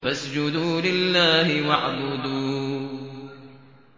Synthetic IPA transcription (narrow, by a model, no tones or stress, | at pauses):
fasd͡ʒʊd̪uːlɪlːaːhɪwaʕbʊd̪uː